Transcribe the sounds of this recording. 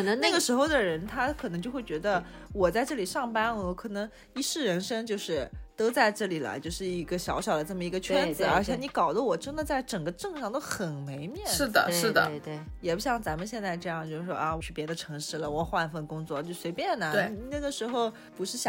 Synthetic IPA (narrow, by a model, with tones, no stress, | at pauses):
ŋna˥˩ɡə˩ʂɻ̩˧˥xo˥˩ʊd̪ə˩ɻə˧˥nt̪ʰa˥kʰɤ˨˩nɤ˧˥ŋt͡ɕjo˥˧ʊxwe˥˩ɪt͡ɕɥɛ˧˥d̪ə˧wɔ˨˩t͡sa˥˧ɪʈ͡ʂɤ˥˩li˨˩ʂɑ˥˩ŋpa˥n˧˥kʰɤ˨˩nɤ˧˥ŋ | i˧˥ʂɻ̩˥˩ɻə˧˥nʂɤ˥ŋt͡ɕjo˥˧ʊʂɻ̩˥˩t̪o˥t͡sa˥˧ɪʈ͡ʂɤ˥˩li˨˩lə̰˦t͡ɕjo˥˧ʊʂɻ̩˥˩i˧˥ɡə˧ɕjɑ̰˧˥ʊɕjɑ˨˩ʊd̪ə˦ʈ͡ʂa˥˩mə˩i˧˥ɡə˧t͡ɕʰɥɛ˥nt͡sɹ̩˨˩˨ə˞˧˥t͡ɕʰjɛ˧˥ni˧˥kɑ˨˩ʊd̪ə˦wɔ˨˩ʈ͡ʂə˥nd̪ə˨t͡sa˥˩ɪʈ͡ʂɤ˨˩ŋɡə˧˦ʈ͡ʂɤ˥˧ŋʂɑ˥˩ŋt̪o˥ʊxə˨˩nme˧˥ɪmjɛ˥˩ʂɻ̩˥˩d̪ə̰˩ʂɻ̩˥˩d̪ə̰˩jɛ˨˩pu˧˥ɕjɑ˥˩ŋt͡sa˧˥mə˧ɕjɛ˥˧nt͡sa˥˧ɪʈ͡ʂɤ˥˧jɑ˥˧ŋt͡ɕjo˥˧ʊʂɻ̩˥˩ʂwɔ̰˥ʔa˧˩wɔ˧˥t͡ɕʰy˨˩pjɛ˧˥d̪ə˧ʈ͡ʂʰɤ˧˥ŋʂɻ̩˥˩lə˩wɔ˨˩xwa˥˧nfə˥˩nkʊ˥ŋt͡swɔ˥˩t͡ɕjo˥˩ʊswe˧˥ɪpjɛ˥˩nə˩e˥˩˨i˧˩na˥˩ɡə˩ʂɻ̩˧˥xo˥˧ʊ | pu˧˥ʂɻ̩˥˩ɕ